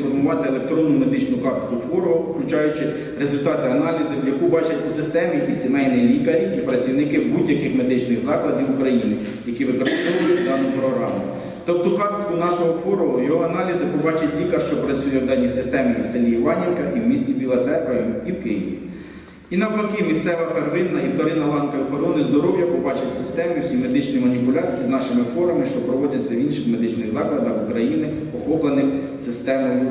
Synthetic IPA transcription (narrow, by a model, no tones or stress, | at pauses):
fɔrmʊʋɑt̪ɪelˠe̞k̚t̪ɾɔnːʊme̞d̪ɪt͡ʃnʊkɑpt̪ɪ̥kʊfɔɾɔɦɔʊklʲʊt͡ʃɑjʊt͡ʃɪ | ɾezʊlʲt̪ɑt̪ɪɐnɑlʲizɪwjɐkubɑt͡ʃɐtʲusɪst̪ɛmʲijkʲisʲemɛjnɪjlʲikɐɾʲiipɾɐt͡sʲiwnɪkɪwbudʲjɐkɪxme̞d̪ɪt͡ʃnɪɣzɑklˠɐd̪ʲiwukɾɐjinɪ | jɐkʲiʋɪkɔɾɪɪst̪ɔʋʊjɛd̪ɑnʊpɾɔɦɾɑ̰mʊ | t̪ɔp̚t̪ɔkɑpt̪ɪkʊnɑʃɔɦɔfɔɾɔɦɔjɔɦɔɐnɑlʲizɪpɔbɑt͡ʃɐtʲlʲikɐʃt͡ʃɔpɾɐt͡sʲujɛwd̪ɑnʲːisɪst̪ɛmɪiwselʲijiʋɑnʲenkɐiwmʲisʲt͡sʲibʲilˠɐt̪sɛp̪ɾɐjiwkɪjiʋʲḭ | inɐplɔkimʲist̪sɛʋɐperʋɪnːɐiwt̪ɔɾɪnɐlˠɑnkɐikɔɾɔnɪzd̪ɔɾɔwjɐpɔbɑt͡ʃɪwʲsɪst̪ɛmʲiwsʲime̞d̪ɪt͡ʃnijmɐnʲipʊlʲɑt͡sʲijiznɑʃɪmɪfɔɾɐmɪʃt͡ʃɔpɾɔʋɔdʲɐt͡sʲːɐwinʃɪxmed̪ɪt͡ʃnɪɣzɑklˠɐd̪ɐxukɾɐjinɪ | pɔxɔplˠenɪxsɪst̪ɛmɐjʊ